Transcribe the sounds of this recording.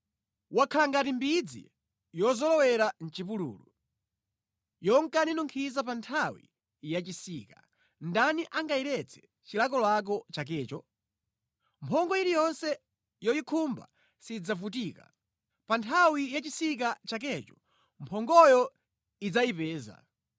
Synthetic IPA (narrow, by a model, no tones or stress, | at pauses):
wakʰalaŋɡatimbid͡zḭ | jɔzɔlɔwɛɾan̩t͡ʃipulṵːlṵ | jɔŋkaninuŋkʰizap̬antʰawḭ | jat͡ʃisiːka̰ | ndaniʔaŋɡaiɾɛt͡sʰɛ̥ | t͡ʃilakɔlwak̬ɔt͡ʃak̬ɛːt͡ʃɔ | mpʰɔŋɡɔiɾijɔnsɛ | jɔjikʰumba̰ | sid͡zavutiːka̰ | pantʰawijat͡ʃisik̬at͡ʃak̬ɛt͡ʃɔ̥ | mpʰɔŋɡɔjɔ | id͡zajipɛːza̰